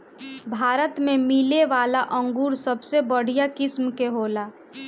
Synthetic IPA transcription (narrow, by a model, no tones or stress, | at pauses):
bʱaːɾət̪mẽmɪleʋaːlaʔə̃ŋɡuːɾsəbsebəɽ̤ijakɪsmkeɦoːlaː